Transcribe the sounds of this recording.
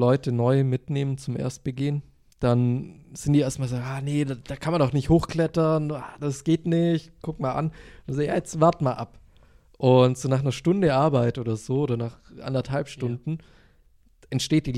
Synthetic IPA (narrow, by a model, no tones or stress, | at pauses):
lɔʏtənɔʏmɪtneːmənt͡sʊmʔḛːɐst̚b̥əɡɪən | d̥anz̥ɪntd̥iːʔeːɐstmaːlzoɡaːnedd̥aːkʰanmanɔχnɪçthoːxkl̥ɛtɐnːaːd̥asɡ̥eːtnɪçtkʰʊkmaːlʔa̰nnanzaːja̰ːjɛt͡stvaɐtmaːlʔa̰p | ʔʊntz̥oːnaːχnɐʃtʊndəʔaɐbaɪtʔoːdɐzoːoːdɐnaːχʔa̰ndɐthalpʃtʊndn̩ | ʔɛntʃteːt̚d̥iː